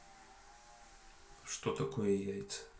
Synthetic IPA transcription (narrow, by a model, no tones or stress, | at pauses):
ʂt̪ot̪ɐkojəjajʲt̪sə̥